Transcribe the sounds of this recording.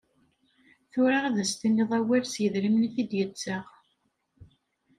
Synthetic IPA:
θʊɾaʁaðæst̪inːiðˤæwæɾsjəðɾimniθid̪jət͡sːəʁ

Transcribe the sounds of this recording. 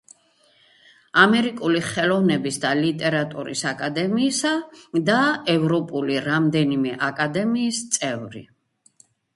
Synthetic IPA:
amɛɾikʼuliχɛlɔvnɛbisd̪alit̪ʼɛɾat̪ʼuɾḭsakʼad̪ɛmiːsad̪aɛvɾɔpʼuliɾamd̪ɛnimɛʔakʼad̪ɛmiːst̪sʼɛvɾḭ

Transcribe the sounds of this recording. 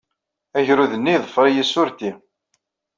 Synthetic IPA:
æʝɾuðənːiðˤəfɾˤijæsʊɾt̪i

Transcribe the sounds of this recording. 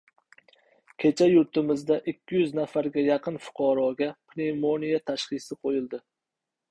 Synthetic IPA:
kʲʰe̞t͡ʃʰajʊɾt̪ʰɪmɪzd̪aʔɪkʲʰːɪjʊznafaɾɡʲajɑqʰɨnfʊ̥qʰɑɾɒɡʲapʰɾemonijat̪ʰaʃχɨsɪqʰojɪlˠd̪ɪ

